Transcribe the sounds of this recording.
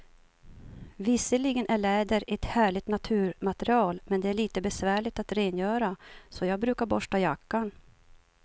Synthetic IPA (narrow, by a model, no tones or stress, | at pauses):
vɪsəɭɪɡənʔæɭɛːd̪əɾʔɛt̪hæːɭɪt̪nat̪ʰʉ̟ːɾmat̪əɾɪɑːlmɛnd̪ɛæɭiːt̪əbɛsvæːɭɪt̪at̪ɾeːnjœːɾasɔjɑːɡ̚bɾʉ̟ːkaɾbɔʂʈajakːan